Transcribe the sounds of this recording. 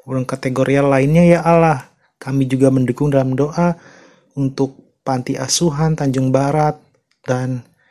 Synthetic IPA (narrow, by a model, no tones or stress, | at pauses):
laŋkat̪eɡoɾʔianlaɪnɲajaʔalah | kamid͡ʒuɡaməndukʊŋdalamdoʔa | unt̪ʊk̚ | pant̪iʔasuɦant̪aɲd͡ʒʊŋbaɾat̪̚ | dan